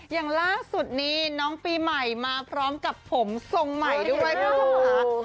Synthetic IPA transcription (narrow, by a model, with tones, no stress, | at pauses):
jaː˨˩ŋlaː˥˩su˨˩t̪̚niː˦˥nɔː˦˥ŋpiː˧ma˨˩jmaː˧pʰɾɔː˦˥mka˨˩pʰːo˩˦mso˧ŋma˨˩jdu˥ɐ˨˩j